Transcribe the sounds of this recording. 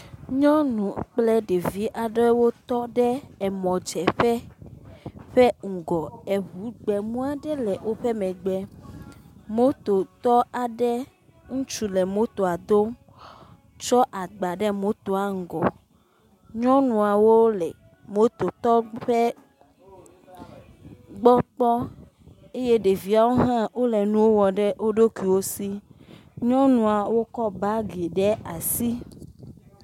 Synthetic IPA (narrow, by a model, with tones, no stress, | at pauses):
ɲɔ̃˦nũ˨k͡plɛ˦ɖe˨vi˦ʔa˨ɖɔ˦wo˦t̪ɔ˦ɖɛ˦ɛ˨mɔ̃˨d͡ʒɛ˨ɸɛ˦ | ɸɛ˦ŋ̩˨ɡɔ˨ɛ˨βu˨˦ɡ͡bɛ˨mũ˦a˨ɖɛ˦lɛ˨wʔo˦ɸe˦mɛ̃˨ɡ͡bɛ˨ | mo˦t̪o˨t̪ɔ˦a˨ɖɛ˦ | ŋũ˦t͡ʃu˦lɛ˨mo˦t̪o˨a˨d̪o˦ | t͡ʃɔ˦ʔa˨ɡ͡ba˨ɖɛ˦mo˨˦t̪o˨a˨˦ŋ˨ɡɔ˨ | ɲɔ̃˦nũ˨a˨wo˦lɛ˨ | mo˨˦t̪o˨t̪ɔ˦ɸe˦ | ɡ͡bɔ˦k͡pɔ˦ | e˦je˦ɖe˨vi˦a˨wo˦ɦã˦wo˦lɛ˨nũ˨wo˦wɔ˨ɖɛ˦wo˦ɖo˦ki˨wo˦si˦ɲɔ̃˦nũ˨a˨wo˦kɔ˦ba˦ɡi˨ɖɛ˦a˨si˦